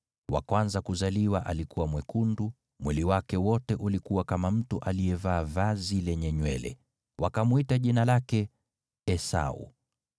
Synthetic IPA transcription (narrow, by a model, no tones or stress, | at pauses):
wa̰kwanzakuzaliwaʔalikuwamwɛkundu | mwiliwakɛwɔtɛʔulikuwakamam̩tuʔalijɛvaːvazilɛɲɛɲwɛlɛ̰ | wakamuitaʄinalakɛ | ɛsa̰ṵ